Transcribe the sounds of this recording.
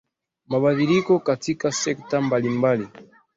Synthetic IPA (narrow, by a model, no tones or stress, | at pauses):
maɓaðilikɔkatikasɛktambalimbali